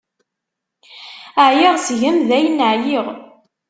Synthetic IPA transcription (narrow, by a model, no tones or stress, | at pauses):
əʕjeʁsʝəmðæjənːəʕjiʁ